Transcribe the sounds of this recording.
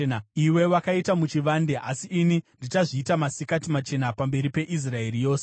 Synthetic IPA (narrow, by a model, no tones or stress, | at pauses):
iwe̞wakaitamut͡ʃiʋaːnde̞ʔa̰siʔːnindit͡ʃaʐiːtamasikatimat͡ʃe̞napambe̞ɾipe̞ʔis̬rae̞rijo̞ːse